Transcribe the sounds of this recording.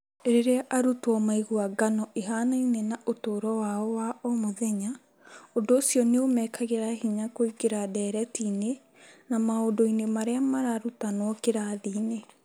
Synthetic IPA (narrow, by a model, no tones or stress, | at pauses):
eɾeɾeaʔaɾutwɔmaiɣuaɡanɔʔeɦaːnainenaʔotoːɾɔwaɔwaɔmoðɛɲa | ondoːsiɔneomɛːkʰaɣeɾahiɲakoiɡeɾadɛɾɛtiːne | namaodoinemaɾeamaɾaɾutanwɔkeɾaðiːne